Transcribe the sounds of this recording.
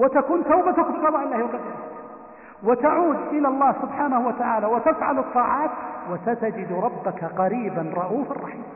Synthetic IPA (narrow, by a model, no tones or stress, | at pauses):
wɪt̪akuːnt̪awbat̪ʊkbɪqɑðˤɑːʔɪlːaːhwɪqad̪ːɪɾ | wɪt̪aʕuːd̪ʔɪlalˤːɑːhsʊbħaːnahʊwat̪aʕaːlawat̪afʕa̰lɑt̪ˤːɑːʕɑːt̪wasat̪ad͡ʒɪd̪ɾˤɑbːakaqɑɾiːbanɾˤɑʔuːfɑ̰rˤːɑħiːmm